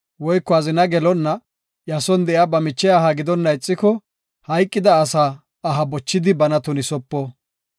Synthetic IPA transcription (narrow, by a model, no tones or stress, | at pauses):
wɔjkːɔɐzɪnɐɡɛlɔnːɐ | jɐsɔnd̪ɛjabɐmɪt͡ʃːɛaɦɐɡɪd̪ɔnːɐɪt͡sʼːɪkɔ | hɐjkʼːɪd̪ɐːsaː | ɦɐbɔt͡ʃːɪd̪ɪbɐnɐt̪ʊnɪsɔpːɔ